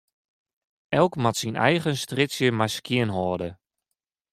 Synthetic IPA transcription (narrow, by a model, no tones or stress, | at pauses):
ɛlˠkmatsinɛjɣənstrɪsjəmajskjɪənɦɔːdə